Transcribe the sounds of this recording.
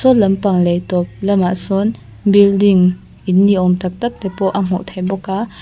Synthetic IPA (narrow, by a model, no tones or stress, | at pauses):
sɔnlɐmpɐŋlejtɔp̚lɐmaʔsɔn | bildiŋ | ʔinːiʔɔmt̪ɐk̚t̪ak̚tɛpɔʔam̥ɔ̰ʔtʰajbɔka